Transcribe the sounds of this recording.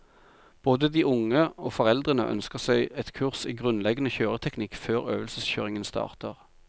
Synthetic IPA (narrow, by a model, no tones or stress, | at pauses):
b̥oːd̪əd̪iːʔʊŋəoːfɔʁɛld̪ʁənə̰ʔœ̰nskəʁsɛɪɛt̪kʰʉʁsiːɡʁʉnlɛɡənəçøːʁət̪ʰɛknɪkføːʁø̰ːʋəlsəsçøːʁɪŋənst̪ɑ̰ːʁt̪ʰəʁ